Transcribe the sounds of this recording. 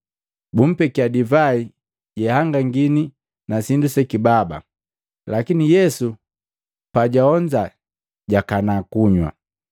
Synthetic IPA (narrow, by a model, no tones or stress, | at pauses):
bum̩pɛkiadivai | ɟɛhaŋɡaŋɡini | nasindusɛkibaba̰ | lakinijɛsu | paɟaɔɲd͡ʒa | ɟakanakuɲwa̰